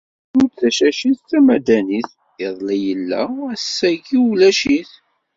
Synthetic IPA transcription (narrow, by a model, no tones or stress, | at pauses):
ʊɾt͡sːæʃæʃiθt͡sæmæd̪æniθ | eðˤlijəlːæ̰æsːæʝiulæʃiθ